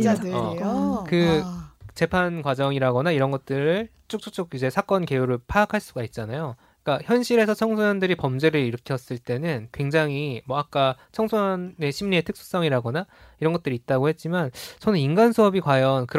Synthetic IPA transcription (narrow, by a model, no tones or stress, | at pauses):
ʌkɯ | t͡ɕe̞pʰankwad͡ʑʌŋiɾaɡʌnaiɾʌnɡʌt̚t͈ɯɾɯɭ | t͡ɕ͈ok̚t͡ɕ͈ok̚t͡ɕ͈okid͡ʑe̞sʰak͈ʌnke̞juɾɯɭpʰaːkʰaɭs͈uɡait̚t͡ɕ͈anajo | ik͈açjʌnɕʰiɾe̞sʰʌt͡ɕʰʌŋsʰojʌndɯɾipʌmd͡ʑe̞ɾɯɾiɾɯkʰijʌs͈ɯɭt͈e̞nɯnkwe̞ŋd͡ʑaŋɦimwʌak̚k͈a | t͡ɕʰʌŋsʰone̞ɕʰimɲie̞tʰɯk̚s͈u̥s͈ʌŋiɾaɡʌnaiɾʌnŋɡʌt͈ɯɾit̚t͈aɡohe̞t̚t͡ɕ͈imant͡ɕʰʌnɯninɡansʰuʌbikwajʌnkɯɾ